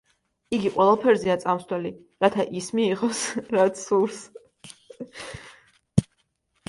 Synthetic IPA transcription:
iɡiqʼwɛlˠapʰɛɾzɛat̪sʼamslɛli | ɾat̪ʰaʔismiːʁɔsɾat̪sʰuɾs

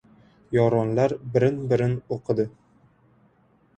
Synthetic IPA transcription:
jɒɾɒnlaɾbɪɾɪnbɪɾɪnoqʰɨd̪ɪ

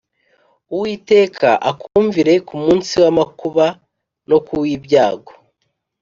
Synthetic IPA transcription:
uwiːte̞ːkʰa̰ʔakʰuːɱviɾe̞kumuːnsiwamakuβa | no̞kuwibjaːɡo̥

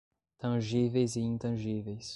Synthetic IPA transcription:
t̪ɐ̃ʒivejzɪĩnt̪ɐ̃ʒivejs

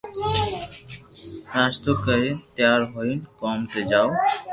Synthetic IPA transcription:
aːst̪okəɾet̪jaːɾɦoinkɔːmt̪ed͡ʒaːo

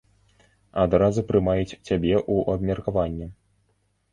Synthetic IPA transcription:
ad̪ɾazupɾɨmajut͡sʲt͡sʲabʲɛʔuʔɐbmʲɐrkavanʲːɛ

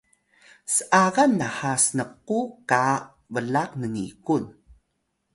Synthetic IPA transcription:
səʔaɣanːahasənəquka | vəlaqnənḭkun

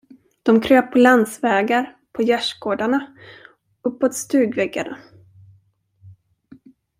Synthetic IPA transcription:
d̪̥ɔmkʰɾøːpːʰɔland̪svɛːɡaɾ | pʰɔjæʂɡoːɖaɳa | ɵpːot̪st̪ʉ̟ːɡvɛɡːa̰d̪ə

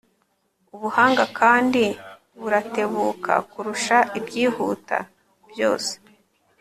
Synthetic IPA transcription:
uβuhaːŋɡakaːndi | βuɾate̞βuːkʰa̰kuɾuʃaʔibɟiːhuːta̰ | b̥jo̞̰ːse̥

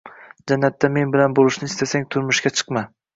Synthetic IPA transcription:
d͡ʒanːat̪ːame̞nbɪlanbolɪʃnɪːst̪asaŋt̪ʰʊɾmʊʃɡʲat͡ʃʰɨ̥qma

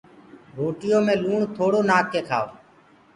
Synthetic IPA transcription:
ɾoːʈɪjõːmẽːluːɳt̪ʰoːɽoːnaːkːeːkʰa̰ːoː

